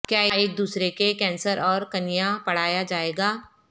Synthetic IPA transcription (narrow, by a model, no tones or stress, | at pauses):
kjaːeːk̚d̪uːsɾekekɛ̃ːnsəɾʔɔːɾkɐnijapɐɽ̤aːjad͡ʒaːeːɡaː